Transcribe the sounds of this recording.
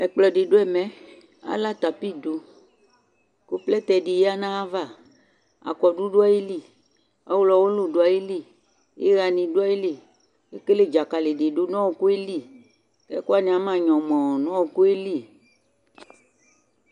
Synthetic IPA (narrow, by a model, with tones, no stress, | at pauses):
ɛ˨k͡plɔ˨ɖe˨ɖo˦ɛ˨mɛ̃˦ | a̰˨la˦t̪a˨pi˦do˨ | ko˦plɛ˦t̪ɛ˨ɖe˨je˦a˦nã˦a˦va˦˨ | a̰˨kɔ˨ɖu˦ɖo˦a˦ji˦li˦˨ | a˦wlɔ˨wo˦lo˨ɖo˨˦a˨je˦li˦˨ | jḛ˦ɣa˨nĩ˨ɖo˦a˦je˦le˨ | e˦ke˦le˦d͡ʒa˨ka˨le˨ɖe˨ɖo˦nɔ̃˦wo˨ku˦e˦li˦˨ | kɛ̰˦ko˦a˦˨nĩ˨a˨˦mã˨ɲɔ̃˨mɔ̃˨nɔ̃˦wo˨ku˦e˦li˦˨